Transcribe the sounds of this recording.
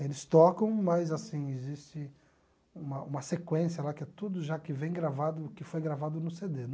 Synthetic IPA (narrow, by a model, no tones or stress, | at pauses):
elɪst̪ɔkɐ̃w̃mɐzasĩɪzist͡ʃɪ | ũmɐũmɐsekwẽsiɐlakɪɛt̪ud̪ʊʒakɪvẽj̃ɡɾavad̪ʊkɪfojɡɾavad̪ʊnʊsed̪en